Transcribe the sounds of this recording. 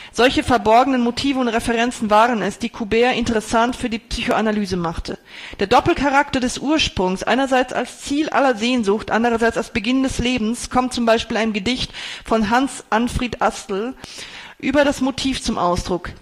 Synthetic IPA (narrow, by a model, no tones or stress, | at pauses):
z̥ɔlçəfɛɐbɔɐɡənənmotʰiːvəʊntʁefɛʁɛnt͡sn̩vaːʁənɛsd̥iːkʰubɛːɐʔɪntəʁɛsantfyːɐdiːpsyːçoanalyːzəmaχtʰə | d̥eːɐdɔpl̩kʰaʁ̞aktɐdɛsʔuːɐʃpʁ̥ʊŋsʔa̰ɪnɐzaɪt͡sa̰lst͡siːlʔa̰lɐzeːnzʊxtʔa̰ndəʁɐzaɪt͡salsb̥əɡɪndɛsleːbm̩skʰɔmtt͡sʊmbaɪʃpiːlaɪnmɡədɪçtfɔnɦansʔanfʁ̥eːtʔastl̩ | ʔyːbɐɾasmotʰiːft͡sʊmʔa̰ʊsd̥ʁʊk